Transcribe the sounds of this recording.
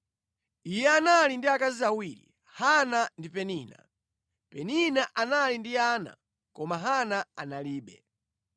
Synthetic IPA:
ijɛanalindiakaziawiɾḭ | hanandipɛniːna̰ | pɛninaʔanalindiana̰ | kɔmaɦanaanaliːɓɛ̰

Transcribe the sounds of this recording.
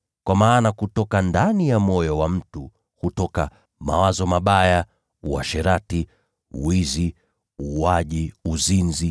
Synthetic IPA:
kwʔamaːnakutɔkandanijamɔjɔwam̩tu | hutɔka | ma̰wazɔmaɓaja | uwa̰ʃɛɾatḭ | wizi | uaʄiuzinzi

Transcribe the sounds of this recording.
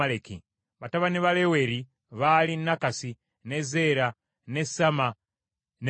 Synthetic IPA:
alekḭ | βataβaneβaleweɾi | βalinːakasi | nezeɾa | ne̞sama | n

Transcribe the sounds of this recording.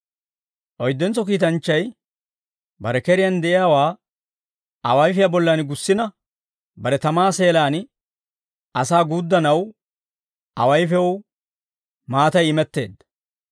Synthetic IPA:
ʔɔjd̪ːɛnt͡sɔkiːt̪ɐnt͡ʃːɐj | bɐɾɛkɛɾɪjɐnd̪ɛʔɪjaːwaː | ʔɐwɐjfɪjabɔlːɐnɡʊsːɪnɐ | bɐɾɛt̪ɐmaːse̞ːlaːn | ʔɐsaːɡuːd̪ːɐnɐw | ʔɐ̰wɐjfɛw | maːt̪ɐjɪmɛt̪ːe̞̰ːd̪

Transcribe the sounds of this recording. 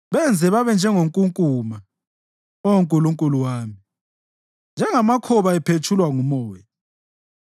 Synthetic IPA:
βɛnd͡zʱɛβaβɛnd͡ʒʱɛŋoŋkʼuŋkʼuːma | ɔoŋkʼuluŋkʼuluwaːmi | nd͡ʒʱɛŋamakʰɔβaɛpʰet͡ʃʰulwaŋumɔːjɛ

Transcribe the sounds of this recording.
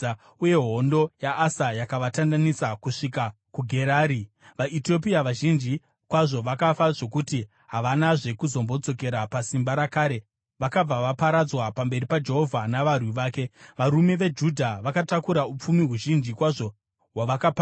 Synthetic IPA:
uje̞ɦo̞ndo̞jaʔːsajakaʋatandanisakuʂika | kuɡʱe̞ɾaːɾi | ʋaito̞p̬iaʋaʒind͡ʒi | kwaʐo̞ʋakafaʐo̞kuti | ɦaʋanaʐe̞kuzo̞mbo̞t͡so̞ke̞ɾapasimbaɾakaːɾe̞ | ʋakab͡vaʋapaɾad͡zwapambe̞ɾipad͡ʒe̞ɦo̞vʱanaʋarwiʋaːke̞ʋaɾume̞ʋe̞d͡ʒudʱaʋakatakuɾaup͡fumiɦuʒind͡ʒikwaʐo̞ | waʋakapa

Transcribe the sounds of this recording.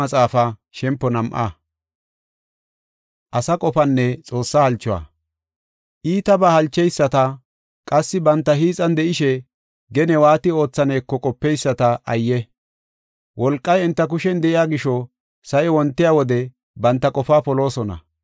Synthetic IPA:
ɐt͡sʼaːfaʃɛmpːɔnɐmʔa̰ | ʔɐsɐkʼɔfɐnːɛt͡sʼo̞ːsːahɐlt͡ʃːɔwa̰ː | ʔiːt̪ɐbahɐlt͡ʃːɛjsːɐt̪ɐ | kʼɐsːɪbɐnt̪ːɐhiːt͡sʼɐnd̪ɛʔɪʃɛ | ɡɛnɛwaːt̪ɪo̞ːt͡sːɐneːkːɔkʼɔpːɛjsːɐt̪ɐʔɐjːɛ | wɔlkʼːɐjɪnt̪ːɐk̬ʊʃɛnd̪ɛʔɪjaːɡɪʃɔ | sɐʔɛwɔnt̪ːɪjaːwɔd̪ɛ | bɐnt̪ːɐkʼɔfaːpɔlo̞ːsɔnɐ̰

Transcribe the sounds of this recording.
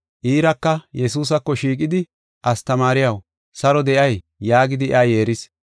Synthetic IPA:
ʔiːɾɐkːɐjɛs̬uːs̬ɐkːɔʃiːk̬ʼɪd̪ɪ | ʔɐst̪ɐmaːɾɪjɐw | sɐɾɔd̪ɛʔɐj | jaːɡɪd̪ɪʔaje̞ːɾɪs

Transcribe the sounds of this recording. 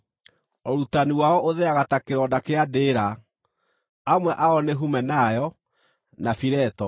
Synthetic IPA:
oɾutaniwaɔʔoðɛaɣatakeɾɔdakeadeːɾa | amwɛʔaɔneɦumɛnajɔ | nafiɾɛtɔ

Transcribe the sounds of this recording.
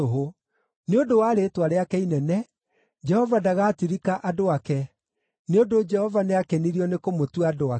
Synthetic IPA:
oɦo | neondowaːɾetwaɾeakɛinɛnɛ | d͡ʒɛhɔvadaɣaːtiɾikaʔadoakɛ | neodod͡ʒɛhɔvaneakɛniɾiɔnekomotwadoa

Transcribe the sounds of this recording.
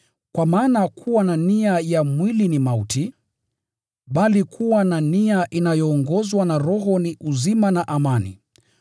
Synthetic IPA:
kwamaːnakʰuwananiajamwilinimautʰi | ɓalikʰuwananiaʔinajɔːŋɡɔzwanaɾɔɦɔniʔuzimanaʔamanḭ

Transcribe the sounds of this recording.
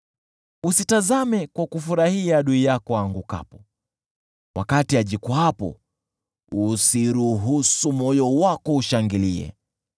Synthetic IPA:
usitazamɛkwakufuɾahiaɗuijakɔaŋɡuka̰pɔ̥ | wa̰katiaʄikɔapɔ̰ | usiɾuɦusumɔjɔwakɔuʃaŋɡilḭɛ̰

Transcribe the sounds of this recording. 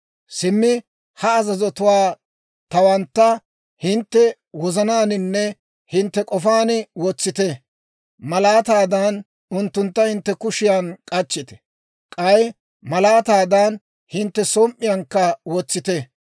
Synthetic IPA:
sɪmːɪ | hɐːzɐzɔt̪ʊwaː | t̪ɐwɐnt̪ːɐ | hɪnt̪ːɛ | wɔzɐnaːnɪnːɛ | hɪnt̪ːɛkʼɔfaːnɪwɔt͡sːɪt̪ɛ | mɐlaːt̪aːd̪an | ʊnt̪ːʊnt̪ːɐhɪnt̪ːɛkʊʃɪjankʼɐt͡ʃːɪt̪ɛ̥ | kʼɐj | mɐlaːt̪aːd̪an | hɪnt̪ːɛsɔmʔːɪjɐŋkːɐwɔt͡sːɪt̪ɛ

